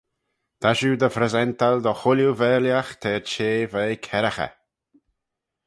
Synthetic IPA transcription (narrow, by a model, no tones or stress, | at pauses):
d̪̥aʃud̪əfɾɛzɛnt̪ald̪ɔxʊljuvɛɾljaxt̪ʰɛːɹt͡ʃeːveːkʰɛɾaxə̰